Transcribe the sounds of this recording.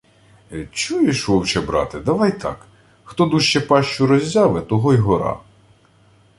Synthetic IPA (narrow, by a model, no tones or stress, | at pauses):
t͡ʃujɪʃʋɔwt͡ʃɛbɾɑ̰t̪ɪd̪ɐʋɑjt̪ʰɑ̰k | xt̪ɔd̪uʃt͡ʃɛpɑʃt͡ʃʊɾɔzʲːɑʋɛt̪ɔɦɔjɦɔɾɑ̰